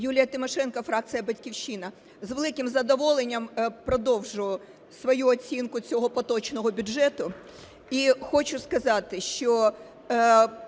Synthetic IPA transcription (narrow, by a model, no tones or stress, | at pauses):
julʲijɐt̪ɪmɔʃɛnkɐfɾɑk̚t̪sɨjɐbɐtʲkʲiwʃʲinɐ | zʋelˠɪkɪmzɐd̪ɔʋɔlˠenʲːɐmpɾɔd̪ɔwʒʊʊ | sʋɔjuɔt͡sʲinkʊt͡sʲɔɦɔpɔt̪ɔt͡ʃnɔɦɔbʲʊʒɛt̪ʊ | ixɔt͡ʃʊskɐzɑt̪ɪʃt͡ʃɔ